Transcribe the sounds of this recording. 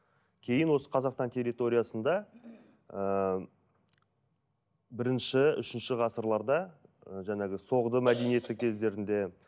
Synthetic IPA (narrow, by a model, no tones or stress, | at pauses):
kʲʰe̞jɪnwo̞sə̥qʰɑzɑqst̪ɑnt̪ʰʲe̞ɾʲijt̪o̞ɾʲijɑsənd̪ɑ | ə | bɪɾɪnʃɪʏ̰ʃɪnʃɪʁɑsəɾlˠɑɾd̪ɑʒænɑɡʲɪso̞ʁd̪əmæd̪e̞nije̞t̪ɪkʲʰe̞zd̪e̞ɾɪnd̪e̞